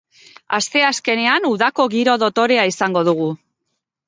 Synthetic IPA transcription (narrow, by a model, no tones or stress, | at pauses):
ast̪e̞aske̞ne̞anuðako̞ɣiɾo̞ðo̞t̪o̞ɾe̞aisaŋɡo̞ð̞uɣ̞u